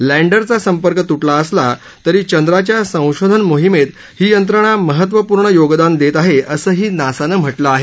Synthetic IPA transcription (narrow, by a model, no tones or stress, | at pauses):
læɳɖəɾt͡sasəmpəɾkət̪uʈlaəsla | t̪əɾiːt͡ɕənd̪ɾat͡ɕjasə̃w̃ɕod̪ʱənmoɦimet̪ | hiːjənt̪ɾəɽ̃aməɦət̪ʋəpuːɾɳəjoɡd̪and̪et̪aɦeʔəsəːɦiːnasanəːm̤əʈləaɦe